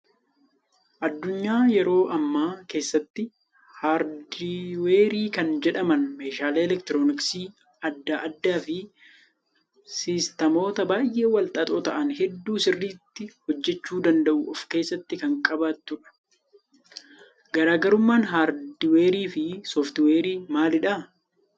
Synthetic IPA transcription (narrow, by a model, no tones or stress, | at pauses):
ʔɐd̪ːʊɲːaːjɛɾo̞ːʔɐmːaːke̞ːsːɐt̪ːɪ | haːɾd̪ɪwe̞ːɾiːkɐnd͡ʒɛᶑɐmɐnme̞ːʃaːleːlɛkt̪ɪɾoːnɪksiː | ɐd̪ːaʔɐd̪ːaːfɪ | sɪst̪ɐmo̞ːt̪ɐbaːjʔe̞ːwɐlt̪ʼɐt̪ʼoːt̪ɐʔɐnhɛd̪ːuːsɪrːiːt̪ːɪhɔd͡ʒːɛt͡ʃːuːd̪ɐnd̪ɐʔʊɔfke̞ːsːɐt̪ːɪkɐŋkʼɐbat̪ːʊᶑɐ̥ | ɡɐɾaːɡɐɾʊmːaːnɦaːɾd̪ɪweːɾiːfɪsoːft̪ɪwe̞ːɾiːmaːlɪᶑɐ